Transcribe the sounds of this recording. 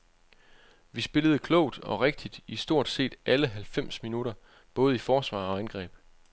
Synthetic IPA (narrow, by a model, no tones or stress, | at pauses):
ʋisb̥e̝ləð̞̩ˠəkʰlɔ̰ʊ̰d̥ɒ̽ʁeɡ̥̚d̥id̥isd̥o̝ɐ̰d̥se̝̰ːd̥ʔæləɦælfem̰sminuɾ̥ɐ | b̥ɔ̽ːð̞̩ˠifɒːsʋɑ̰̈ːɒ̽ænɡ̥ʁɛ̰ːb̥